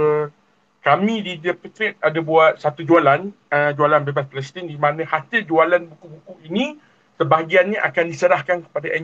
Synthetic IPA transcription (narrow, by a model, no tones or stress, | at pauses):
ə | kamĩdidəpət̪ɾɛt̪̚adabuat̪̚sat̪ud͡ʒualan | əd͡ʒualanbebaspəlɛst̪indimãnə̃hat̪əd͡ʒualanbukubukuinĩ | səbaɦɡianɲəʔakandisəɾahkankə̥padaʔɛ